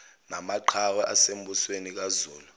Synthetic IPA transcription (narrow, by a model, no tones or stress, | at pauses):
namaǃʰawɛʔasem̩ɓuswenik̬azuːlu